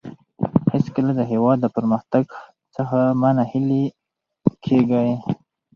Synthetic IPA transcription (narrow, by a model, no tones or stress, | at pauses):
hɪskəlad̪əɦewɑd̪ːəpəɾməxt̪aɡ | t͡səxamanahili | kʰeɡaj